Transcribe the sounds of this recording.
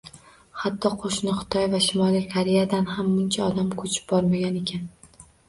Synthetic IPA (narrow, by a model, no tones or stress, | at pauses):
hat̪ʰːɒqʰoʃnɪχʊ̥t̪ʰɒjvaʃɪmɒlˠijkʰaɾe̞jad̪anɦamːʊnt͡ʃʰaɒd̪amkʰɵt͡ʃʰɪ̥p̚bɒɾmaɡʲane̞kʲʰan